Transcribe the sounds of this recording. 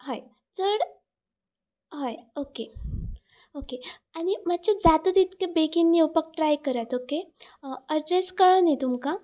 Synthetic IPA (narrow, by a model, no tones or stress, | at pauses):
ɦaj | t͡səɽ | ɦajoke | okeaɽ̃im̤at͡ɕad͡zat̪ət̪it̪kẽbekinːiupək̚ʈɾajkəɾat̪oke | əɖɾeskəɭənit̪umka